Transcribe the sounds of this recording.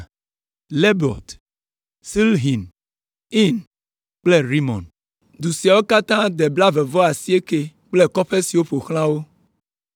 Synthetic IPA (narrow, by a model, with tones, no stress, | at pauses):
le˦bɔ̰˨t̪ | si˦lɦi˨n | i˦n | k͡ple˦ɾi˦mɔ̰̃˨n | d̪u˨si˨a˨wo˦ka˦t̪ã˦d̪e˨bla˦ve˨vɔ˦a˨si˦e˦ke˦k͡ple˦kɔ˦ɸe˦si˨wo˦ɸo˨xl̃ã˦wo˦